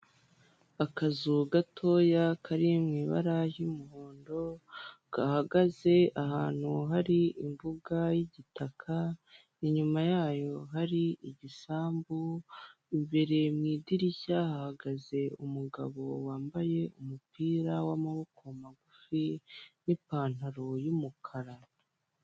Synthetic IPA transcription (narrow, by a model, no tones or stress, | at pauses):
akazuɡatʰojakʰaɾimŋiːβa̰ɾajimuɦoːndo̞ɡ̥ahaɡaze̞ʔahaːn̥huɦaɾiʔimbuɡajiɟitakʰa | iɲumajaːjo̞ɦaɾiiɟisaːmbu | imbeɾe̞mŋiːdiɾiçahahaɡaze̞umuɡa̰βo̞waːmbaje̞umupiːɾawamaβo̞kʰomaɡufinipaːn̥haɾo̞jumukʰaɾa